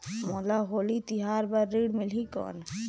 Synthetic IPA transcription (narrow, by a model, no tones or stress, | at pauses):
moːlaɦoːlit̪iɦaːɾbɐɾːiːɽmɪlɦikɔ̰ːn